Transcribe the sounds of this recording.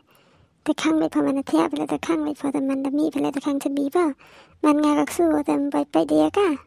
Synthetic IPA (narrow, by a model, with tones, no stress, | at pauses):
t̪ɛ˧kʰa˧˨ŋba˧˨pʰɔ˧ma˧nda˧t̪ʰɛ˧˨pʰa˧lɛ˧˨t̪ɛ˧˩kʰa˧˥˨ŋba˧˨jpʰɔ˧˨t̪a˧˨ma˧˨nda˧˨miː˧˨pʰa˧˨lɛ˧˨t̪ɛ˧kʰa˧˨ŋsʰa˧biː˧˨˦pʰa˧˩˨ | ma˧˨nŋaː˧ka˧k̚suː˧ɔ˧t̪ɛ˧m˧bɔ˧˨jpa˧˨jdi˧˨a˧ka˧˨